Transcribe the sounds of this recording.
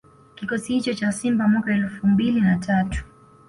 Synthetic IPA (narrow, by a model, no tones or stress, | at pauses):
kikɔsihit͡ʃɔt͡ʃasimbamwakaɛlfumbilinatʰatu̥